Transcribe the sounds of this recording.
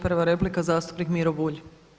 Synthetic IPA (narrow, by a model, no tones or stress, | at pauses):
pɾʋaɾeplikazaːst̪u̥pnikmiɾobuːʎ